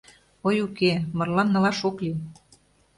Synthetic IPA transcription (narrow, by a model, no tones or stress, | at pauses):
ojukemɤ̆rlɑnːɤ̆lɑʃokli